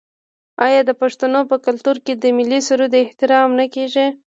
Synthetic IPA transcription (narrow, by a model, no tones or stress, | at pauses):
ɑjɑd̪əpaʂt̪anopəkalt̪uɾked̪əmɪlːisuɾud̪ɪht̪ɪɾɑmnakeʒi